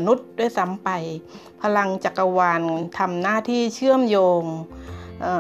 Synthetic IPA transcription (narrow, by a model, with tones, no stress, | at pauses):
nu˦˥˩t̪̚daː˧˥˩jsa˨˦mpa˨˩j | pʰa˧la˧ŋt͡ɕa˨˧˩kːa˧waː˧nt̪ʰa˧mnaː˥˩t̪ʰiː˥˩t͡ɕʰɯ˥˩əmjoː˧ŋʔɤː˧˩